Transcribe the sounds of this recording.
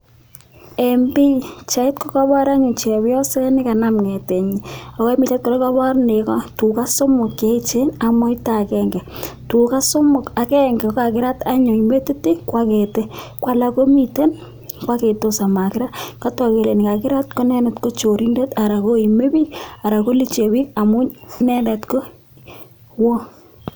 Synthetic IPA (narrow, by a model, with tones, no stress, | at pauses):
e˨mbi˦t͡ʃa˦ɪ˦t̚kɔ˦ka˦ba˦ɾa˦ŋi˨t͡ʃɛ˨bjɔ˦sɛ˦nɪ˦ka˨na˦mŋɛ˨tɛ˨ɲiɔ˨kɔ˦mi˨t͡ʃa˦t̚kɔ˨ɾɔ˦ka˦ba˦ɾne˨kɔ˦tu˨ka˦so˦mʊ˨kːe˦t͡ʃe˦na˨mɔ˦ɪ˦ta˦˨kɛŋɡɛ˨tu˨ka˦so˦mʊ˨ka˨kɛ˦ŋɡɛ˨kɔ˦ka˨kɪ˦ɾa˦ta˦ɲo˨i˨me˦tu˦ti˦kwa˦kɛ˨te˦kwa˦la˦ko˦mi˨te˦n | kwa˦ke˨to˦sa˨ma˨kɪ˦ɾa˦ka˦tɔ˨ke˨le˨ni˨ka˨kɪ˦ɾa˦tko˦nɛ˦nɛ˨tko˦t͡ʃo˨ɾi˦nde˦ta˨ɾa˨ko˦i˨me˦piː˦ka˨ɾa˨ko˦li˦t͡ʃe˨bi˦k̚a˨mʊ˦nɛ˦nɛ˨tko˦ | wo˦